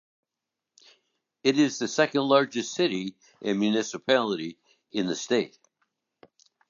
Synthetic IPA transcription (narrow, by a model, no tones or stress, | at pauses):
ɨɾɪzðɨsɛkɨ̃ndˡlɑɹd͡ʒɨstsɪɾi | ʔɨ̃nmjʉnɪsɨpʰælˠəɾi | ɨ̃nðɨsteɪt̚